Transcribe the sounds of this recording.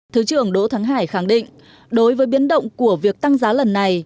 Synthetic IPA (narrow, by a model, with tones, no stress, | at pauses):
t̪ʰɨ˨˦t͡ɕɨ˧˩əŋɗo˨˦t̪ʰaː˨˦ŋɦaː˧˩jxa˧˩ŋɗḭ˧˨ŋ̟ | ɗo˨˦jvəː˨˦jɓi˨˦ənɗə̰˧˨wŋ͡mku˧˩əvi˨˩ək̚t̪a˧ŋzaː˨˦lə˨˩nːa˨˩j